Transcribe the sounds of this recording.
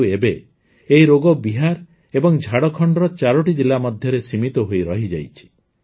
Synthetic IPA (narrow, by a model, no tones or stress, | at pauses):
ebe | eiɾoɡɔbiɦaɾ | ebɔŋd͡ʒʱaɽɔkʰɔɳɖɾɔt͡ʃaɾɔʈid͡ʒilːamɔd̪ʱjɔɾesimit̪ɔɦojɾɔɦid͡ʒajt͡ʃʰi̥